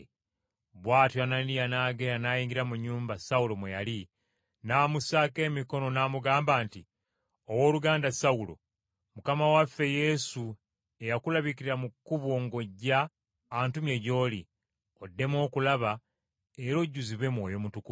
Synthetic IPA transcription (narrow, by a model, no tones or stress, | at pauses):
βwaːtjoananijanaːɡe̞ɾanajiːɲɡiɾamuɲːuːmbasaulo̞mwejali | naːmusaːke̞ːmiko̞no̞naːmuɡaːmbaːnti | owo̞ːluɡaːndasaulo̰ | mukamawafːe̞je̞su | e̞jakulaβikiɾiɾamukːuβwoŋɡo̞ɟːaː | ntumje̞ɟo̞ːli | o̞dːe̞mo̞ːkulaβa | e̞ɾo̞ɟːuziβe̞mwo̞ːjo̞mutuku